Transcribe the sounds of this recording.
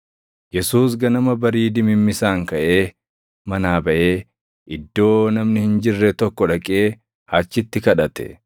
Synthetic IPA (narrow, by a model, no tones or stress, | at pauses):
jɛsuːs̬ɡɐnɐmɐbɐɾiːd̪ɪmɪmːɪsaːŋkɐʔe̞ː | mɐnaːbɐʔeː | ʔɪd̪ːo̞ːnɐmnɪhɪnd͡ʒɪrːɛt̪ɔkːɔᶑɐkʼeː | hɐt͡ʃːɪt̪ːɪkɐᶑɐt̪ɛ̥̰